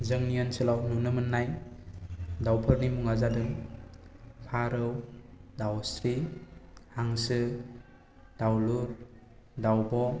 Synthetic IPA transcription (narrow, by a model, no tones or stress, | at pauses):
zɯŋnijɔnsɯlawnunɯmɯnːaj | dawpʰɯɾnimuŋazadɯŋ | pʰaɾɯwdawsɾi | haŋsɯ | d̥awluɾ | dawbɔ